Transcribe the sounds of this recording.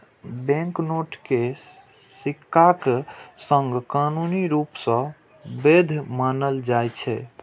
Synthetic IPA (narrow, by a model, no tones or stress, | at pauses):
bɛ̃ŋknoʈke | sikːaksəŋɡkanuniɾupsə̃ | bed̪ʱmanəld͡ʒajt͡ʃʰɛ̰